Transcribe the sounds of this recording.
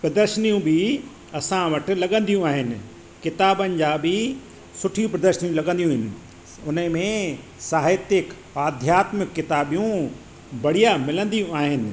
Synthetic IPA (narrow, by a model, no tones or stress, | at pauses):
pɾɐd̪əɾʃənijũbʱɪ | ɐsãʋɐʈ̆lɐɠə̃nd̪ijũaːɦɪnɪ̆ | kɪt̪aːbənɪ̆d͡ʑaːbɪ | sʊʈʰijũpɾɐd̪əɾʃənijũlɐɠə̃nd̪ijũɦɪnɪ̆ | ʊnəmẽ | saːɦɪt̪ɪk | aːd̪ʱjaːt̪mɪkːɪt̪aːbijũ | bɐɽ̤ijamɪlə̃nd̪ijũaːɦɪnɪ̆